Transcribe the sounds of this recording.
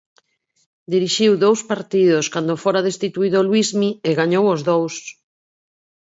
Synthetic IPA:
d̪iɾiʃiwðowspaɾt̪iðʊskand̪ofoɾaðest̪it̪uiðolwizmieɣaɲowozðows

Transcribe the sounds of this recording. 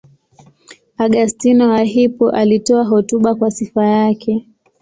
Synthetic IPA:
aɠastinɔaɦipɔʔalitɔaɦɔtuɓakwasifajakʰɛ

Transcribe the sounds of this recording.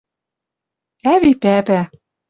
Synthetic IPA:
æβipæpæ

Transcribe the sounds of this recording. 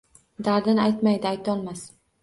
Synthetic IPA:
d̪aɾd̪ɪnajt̪majd̪ɪajt̪ʰɒlˠmas

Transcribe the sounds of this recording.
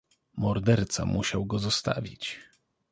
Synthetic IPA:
mɔɾd̪ɛɾt̪sa̰muɕawɡɔzɔst̪a̰vʲit͡ɕ

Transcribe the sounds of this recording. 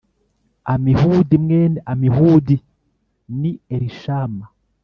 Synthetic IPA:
amihuːdimŋeːneamihuːdi | nieɾiʃaːma

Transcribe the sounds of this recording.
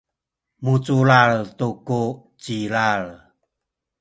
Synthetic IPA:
mut͡sulaɭtukut͡ɕilaɭ

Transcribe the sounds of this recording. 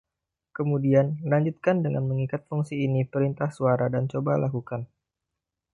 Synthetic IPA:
kəmudianlaɲd͡ʒut̪̚kandəŋa̰nməŋikat̪̚fuŋsiːnipəɾint̪ahsuaɾadant͡ʃobalakukan

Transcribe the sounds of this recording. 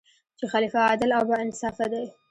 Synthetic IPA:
t͡ʃexalifaːd̪ɪlawbaɪnɪsɑfad̪aj

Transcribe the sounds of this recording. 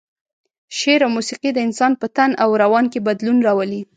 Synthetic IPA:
ʃeɾawmusiqid̪əɪnsɑnpət̪anʔawɾawɑnkebad̪lunɾɑwəli

